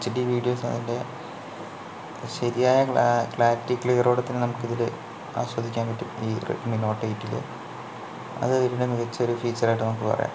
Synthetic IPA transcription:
t͡ɕːiɖiːʋiːɖijo̞ːsnɐ̰ðinde̞ | ɕɐɾijaːjɐkɭaːtːikːliɣɐroːɽɐt̪ːinɨnɐmukːiðilɨ | a̰ːswɐd̪ʱikʲːaːnpɐtːumiːr̰mino̞ːʈːɐjitːilḛ | ɐ̰ðɨʋiɾiɖemiɣɐt͡ɕːɐoɾufiːt͡ɕːɐraːjʈ̬ːɨnɐmukːɨpɐ̰rɐ̰ja̰ː

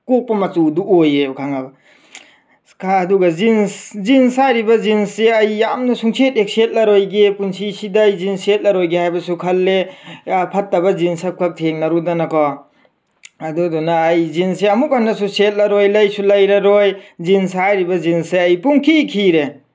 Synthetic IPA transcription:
kok̚pɐmɐt͡ʃuduojekʰaŋabɐ | kʰaːduɡɐzinszinsaɾibɐzinseɐjːamnɐsuŋsetek̚set̚lɐɾojɡepunsisidajzinset̚lɐɾojɡehajbɐsukʰɐlːe | pʰɐtːɐbɐzinsɐkʰɐk̚tʰeŋnɐɾudɐnɐkʰɔ | ɐdudɔnaːjzinseɐmuk̚anːɐsuset̚lɐɾojlɐjsulɐjɾɐɾojzinsajɾibɐzinseɐjpuŋkʰikʰiɾe

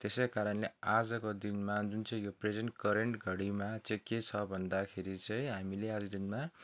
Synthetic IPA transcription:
t̪esekaɾʌnlead͡zʌkod̪inmad͡zunt͡sʌĩjopred͡zenʈkʌɾeɳʈɡʱʌɽimat͡sʌĩket͡sʰʌbʱʌnd̪akʰeɾit͡sʌj̃ɦamilead͡zʌd̪inma

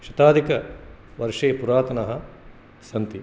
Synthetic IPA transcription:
ʃɐt̪aːd̪ʱikɐ | ʋɐɾʂeːpuɾaːt̪ɐnɐɦɐ | sɐnt̪i

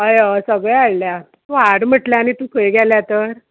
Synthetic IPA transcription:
ɦəjasəɡɭeaɭlja | ʋaɽm̤əʈljaːnit̪ũkʰəjɡjaljat̪əɾ

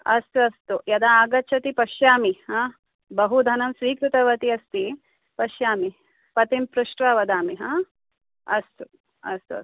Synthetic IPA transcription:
ɐst̪uɐst̪ujɐd̪aaːɡɐt͡ʃʰɐt̪ipɐʃjaːmiɦa | bɐɦud̪ʱɐnɐmsʋiːkɾut̪ɐʋɐt̪iɐst̪i | pɐʃjaːmi | pɐt̪impɾuʂʈʋɐʋɐd̪aːmiɦaː | ɐst̪u | ɐ̰st̪uɐ̰s

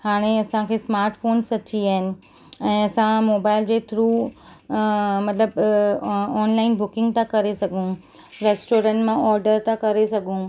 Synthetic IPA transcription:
haːɽ̃eɐsãkʰeːsmaːɾʈfoːnsɐt͡ɕiaːɦɪnɪ̆ | ɛ̃ːɐsãmoːbaːɪld͡ʑeːt̪ʰɾuː | mɐt̪ləb | ɔːnlaːɪnbʊkɪ̃ŋɡt̪ãkɐɾesɐɡʱũ | ɾeːsʈoːɾə̃ɳʈmãɔːɾɖəɾt̪ãkɐɾesɐɡʱũ

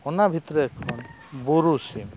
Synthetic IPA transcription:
ɔnabʱit̪ɾɔɛkʰɔn | boɾusim

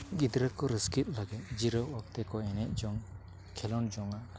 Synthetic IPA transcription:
ɡid̪ɾəkːɔɾəskit̪̚laɡɛt̪̚d͡ʒiɾɔwɔk̚t̪ɛkʰɔɛnɛt̚d͡ʒɔŋ | kʰɛlɔnd͡ʒɔŋa

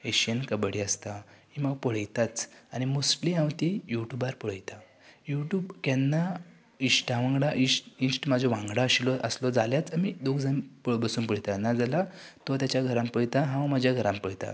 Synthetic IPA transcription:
eɕiənkəbəɽiəst̪ahiməɡpɔɽ̤əjt̪at͡saɽ̃imoskliãwt̪ijuʈjubaɾpɔɽ̤əjt̪a | juʈjuːbkɛnːa | isʈãʋãŋɡɽaʔĩsʈinsʈmad͡zʱɔʋãŋɡɽaɕilɔʔəslɔd͡zaljat͡samid̪oɡd͡zampbəsuːnpəɽ̤jt̪ajnːad͡zalat̪ɔt̪̬jat͡ɕjaɡʱəɾãmpəɽt̪aɦãʋmad͡ʑjaɡʱəɾãmpəɽt̪a̰

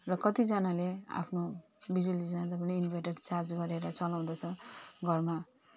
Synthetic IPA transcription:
rʌkʌt̪id͡zanalea̰pʰno | bid͡zwalid͡zanad̪ʌpʌniːnbʱaʈeɖt͡sard͡zɡʌɾeɾʌt͡sʌlaw̃d̪ʌt͡sʰʌɡʱʌrma

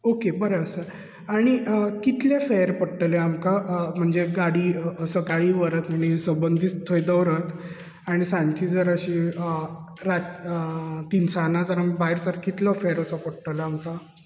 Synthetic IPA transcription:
okebəɾəəsə | aɽ̃ikit̪lefeɾpəɽʈəleamkam̤əɳd͡zeɡaɽiːsəkaɭiːʋəɾət̪maɽ̃isəmbənd̪ʱiːt͡st̪ʰːəjd̪əʋɾət̪ | aɽ̃isãɲt͡ɕiːd͡zəɾəɕiːə | ɾa | t̪insanad͡zəɾamibaɦiɾsaɾkit̪lɔfeɾəsəpəɽʈəleamka

